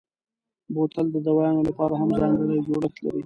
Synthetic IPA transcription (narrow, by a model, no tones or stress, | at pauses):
bot̪ald̪əd̪awɑjɑnolapɑɾaɦamzɑŋɡəɽajd͡ʒoɽəxt̪la̰ɾi